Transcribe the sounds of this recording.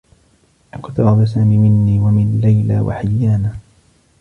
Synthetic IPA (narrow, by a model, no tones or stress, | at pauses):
ʔakʊt̪aɾɑd̪ˤas̬aːmiːmɪnːiːwamɪnlajla̰ːwa̰ħɪjːaːnaː